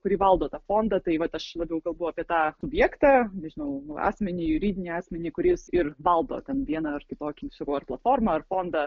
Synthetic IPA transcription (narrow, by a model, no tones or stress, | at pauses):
kʊɾʲiːʋɐlˠd̪oːt̪ɑːfoːnd̪ɐt̪ɐɪʋɐt̪ɐʃlˠɑːbʲɛʊkɐlˠbɐʊɐːpʲiɛt̪ɑːsʊbʲjɛːkt̪ɑnʲɛʒʲɪnɐʊɑ̰ːsʲmʲɛnʲɪːjʊɾʲiːd̪ʲɪnʲiːɑːsʲmʲɛnʲiːkʊɾʲɪsɪrʋɐlˠd̪o̰ːt̪ʲɛnʋʲiɛnɐɐrkʲɪt̪oːkʲisɐkɐʊɐrplˠɐt̪foːrmɐɐrfoːnd̪ɐ